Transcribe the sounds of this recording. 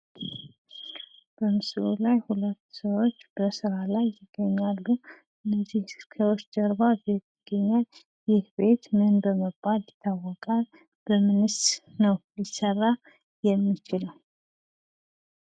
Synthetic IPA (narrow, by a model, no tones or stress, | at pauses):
b̥əmɨsɨlulajhulət̪ːsəwot͡ʃːb̥əsɨɾalajːɪɡ̥ːəɲːalːu | ɨnːəzihkʰəwot͡ʃːd̪əɾbabet̪ːɪɡ̥ːəɲːal | jɪhbe̞t̪mɨnbəməbalːɪt̪ʰːawːɔkʼal | b̥əmɨnɨst̪nəwjɪsərːa | jɛmːit͡ʃɪləw